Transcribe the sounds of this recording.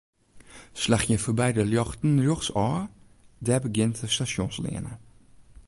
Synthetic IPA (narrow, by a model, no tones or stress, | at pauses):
ʃlæχəfɔbæɪdəljɑχtn̩ɾoχsɑː | d̪æːbəɡɪnt̪əstɑʃjoːnslḛːə̰nə